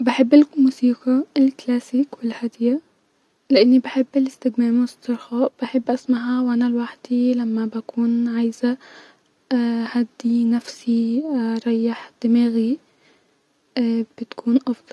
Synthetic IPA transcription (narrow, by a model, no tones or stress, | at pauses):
baħɪbːʔalkʊmuːsiːqɑɪlklaːsiːkwɪlhad̪ja | lɪʔanːibaħɪbːɪlɪst̪ɪɡmeːmst̪ɨɾˤxɑːʔb̥aħɪbːʔasmaɦawʔanalwaħd̪ilamːabakuːnʕajza | had̪ːinafsiɾˤɑjːaħd̪̥ɪmaːɣi | b̥ɪt̪kʰuːnʔɑfd̪ˤɑl